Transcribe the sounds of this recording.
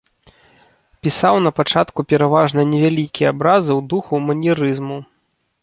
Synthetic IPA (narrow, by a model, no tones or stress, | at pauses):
pʲisawnɐpat͡ʂat̪kupʲɛɾavaʐnɐnʲɛvʲalʲikʲijɛabɾazɨwd̪uxumɐnʲiɾɨzmu